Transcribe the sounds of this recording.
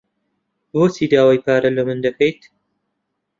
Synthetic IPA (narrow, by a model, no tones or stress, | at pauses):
boːsid̪aːwajpaːɾɐlɐmɨnd̪ɐkʰɐjt̪